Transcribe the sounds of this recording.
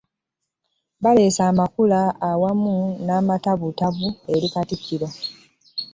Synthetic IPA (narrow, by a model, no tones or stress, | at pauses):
βale̞ːsaːmakulaːwamunaːmataβutaβue̞ɾikatikːilo̞